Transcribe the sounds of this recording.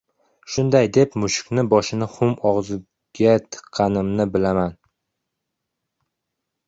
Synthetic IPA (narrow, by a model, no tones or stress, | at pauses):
ʃʊnd̪ajd̪e̞pmʊʃʊ̥kʲnɪbɒʃɪnɪχʊmɒʁzɪ | ɡ̥ʲat̪ʰɨ̥qʰːɑnɪmnɪbɪlaman